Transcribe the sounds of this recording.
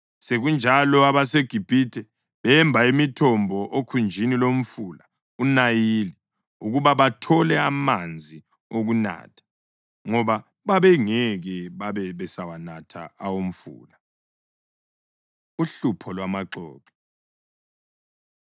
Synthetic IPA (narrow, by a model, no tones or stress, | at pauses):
seɣund͡ʒʱalɔaβaseɡ̥ʱib̥ʱiːtʰɛ | βɛmbʱaimitʰɔmbʱɔʔokʰund͡ʒʱinilom̩fuːla | unajili | uɣuβaβatʰɔlɛamand͡zʱi | oɣuna̰ːtʰḁ | ŋɔβa | βaβɛŋɛɣɛβaβɛβɛsawanatʰa̰awom̩fṵːla | uɬupʰɔlwamaǃɔ̰ːkɔ